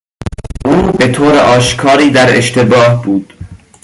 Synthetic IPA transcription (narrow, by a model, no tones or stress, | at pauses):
ʔuːbet̪ʰoːɾḛʔɒːʃkʰɒːɾiːd̪æɾḛʃt̪ebɒːhbuːd̪̥